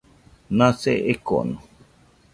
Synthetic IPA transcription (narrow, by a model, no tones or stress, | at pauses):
nãseʔeko̰no